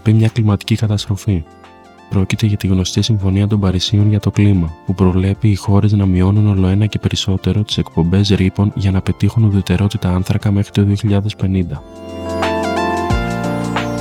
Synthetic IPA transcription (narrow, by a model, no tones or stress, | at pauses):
pimɲɐklimɐt̪i̥cikɐt̪ɐst̪ɾo̞fi | pɾo̞cit̪e̞ʝɐt̪iɣno̞st̪isiɱfo̞niɐt̪̬o̞mbɐɾisionʝɐt̪o̞klimɐpupɾo̞vle̞piːxo̞ɾe̞znɐmio̞nuno̞lo̞e̞nɐce̞pe̞ɾiso̞t̪e̞ɾo̞t̪i̥se̞k̚po̞mbe̞zɾipo̞nʝɐnɐpe̞t̪ixunuðe̞t̪e̞ɾo̞t̪it̪ɐɐnθɾɐkɐme̞xɾit̪o̞ðio̞çiʎɐðe̞spe̞nind̪ɐ